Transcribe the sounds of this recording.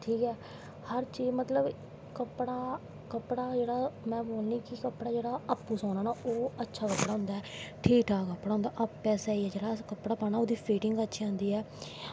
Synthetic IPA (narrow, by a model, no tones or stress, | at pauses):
ʈʰiːkɛː | həɾt͡ʃiːd͡ʒmət̪ləb | kəpɽaː | kəpɽaːd͡ʒeːɽaːmɛ̃ːboːlnĩːkɪkəpːɽaːd͡ʒeːɽaːəpːũːsãːnaːnaːoːətːʃʰaːkəpːɽaːɦʊ̃nd̪aːɛːʈʰiːkʈʰaːkəpːɽaːʊ̃nd̪aːʔəppɛːsaːiːɛːd͡ʒeːɽaːkəpɽaːpaːnaːoːd̪iːpʰiːʈɪŋɡətːʃʰiãːnd̪iːɛː